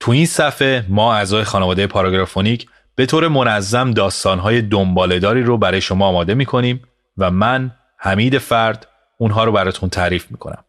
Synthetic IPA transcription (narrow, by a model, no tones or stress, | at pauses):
t̪ʰuinsæfe̞mɒːæzɒːje̞xɒːnevɒːd̪eje̞pʰɒɾɒɡɾɒfoniːcʰ | b̥e̞t̪ʰoːɾe̞mo̞næzːæmd̪ɒːst̪ɒːnɦɒːje̞d̪ombɒːle̞d̪ɒːɾiːɾobæɾɒːjeʃo̞mɒːmɒːd̪e̞miːkʰo̞niːm | væmæn | hæmiːd̪e̞fæɾd̪̥ | unɦɒːɾobæɾɒːt̪ʰunt̪ʰæɾiːfmiːkʰo̞̰næ̰m